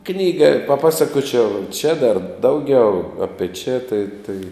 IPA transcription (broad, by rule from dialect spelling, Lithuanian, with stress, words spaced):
ˈknʲiːɡɐ pɐˈpɑːsɐkoːt͡ʃʲɛʊ t͡ʃʲɛ dɐr ˈdɐʊɡʲɛʊ ɐpʲiɛ t͡ʃʲɛ tɐɪ tɐɪ